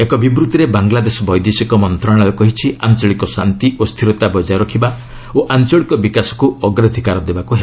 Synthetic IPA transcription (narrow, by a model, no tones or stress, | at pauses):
ekɔbibɾut̪iɾebaŋɡlad̪esɔbɔjd̪isikɔmɔnt̪ɾɔɽ̃aɔkɔɦit͡ʃʰiant͡ʃɔɭikɔsant̪iʔost̪ʰiɾɔt̪abɔd͡ʒajɾɔkʰiba | oʔant͡ʃɔɭikɔbikasɔ̥kuɔɡɾad̪ʱikaɾɔd̪ebakuɦe